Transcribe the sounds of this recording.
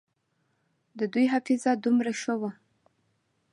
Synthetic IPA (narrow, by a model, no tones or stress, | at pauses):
d̪əd̪ujɦafizad̪umɾaʃəwa